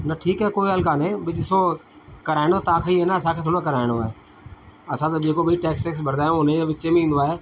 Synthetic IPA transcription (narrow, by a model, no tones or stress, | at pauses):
nɐʈʰiːkaɦekoːiəlkaːneːbɪɗɪso | kɐɾaːɪɽ̃ot̪ɐãːkʰeiɦeːnəɐsãkʰeːt̪ʰoːɽ̃kɐɾaːɪɽoaːɦeː | ɐsãːt̪əbeːkobɪiʈeːksʈeːks̬bɐɾd̪aːjõʊnẽd͡ʑeːʋɪt͡ɕemẽĩːnd̪oaːɦeː